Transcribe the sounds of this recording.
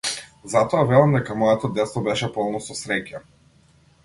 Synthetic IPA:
zat̪ɔavɛlˠamd̪ɛkamɔjɛt̪ɔd̪ɛt̪st̪ɔbɛʃɛpɔlˠnɔsɔsɾɛca

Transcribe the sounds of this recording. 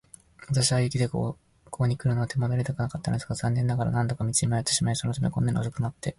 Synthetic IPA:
at̪aɕiβaikʲid̪e̞ko̰ | kʰo̞ːɲ̟ikɯ̟ɾɯ̟no̞at̪ʰe̞mad̪oɾʲit̪akɯnakat̪ːand̪esɨ̥ɡazãnːẽ̞nːaɡaɾa̰nãnt̪o̞kamʲit͡sɨimajat̪ːe̞ɕimaisonot̪ameko̞nːaɲ̟iosokɯnat̪ːe̞

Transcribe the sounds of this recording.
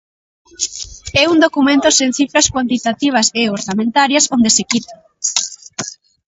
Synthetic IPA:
ɛund̪okumẽnt̪ʊseŋθifɾɐskwant̪it̪at̪iβ̞ɐseoɾsamẽnt̪aɾjɐsond̪esekit̪a

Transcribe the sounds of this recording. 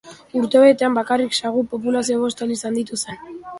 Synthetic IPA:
uɾt̪eβe̞t̪e̞ambakariksaɣupo̞p̬ulasioβo̞st̪alisand̪it̪use̞n

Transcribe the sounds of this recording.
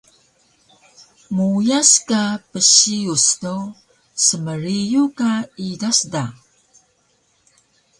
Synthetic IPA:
mujaskapəɕiustow | səməɾijukaidasda

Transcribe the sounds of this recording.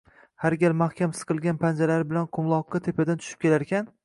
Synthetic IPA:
haɾɡʲalmahkʲʰamsɨ̥qʰɨlˠɡʲanpʰand͡ʒalaɾɪbɪlanqʰʊmlˠɒqːɑt̪ʰepʰad̪ant̪ʰʊ̥ʃɪp̚kʲelaɾkʲʰan

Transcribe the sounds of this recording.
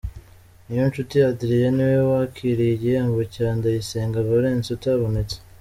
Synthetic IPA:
nijont͡ʃutijadiɾijeniwewakʰiɾiiɟijaːmbocaːndajiseːŋɡaβaɾe̞ːnt͡sotaβo̞ne̞t͡se̥

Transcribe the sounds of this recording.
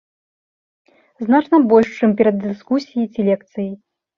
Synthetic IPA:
znat͡ʂnɐbɔlʲʂt͡ʂɨmpʲɛɾɐd̪ːɨskusʲijit͡sʲilʲɛkt̪sɨji

